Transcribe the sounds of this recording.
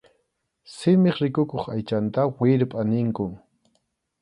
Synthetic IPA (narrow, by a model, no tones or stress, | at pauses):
sɪmɪχɾɪkʊkoχajt͡ʃant̪awɪɾpʼanɪŋkʊm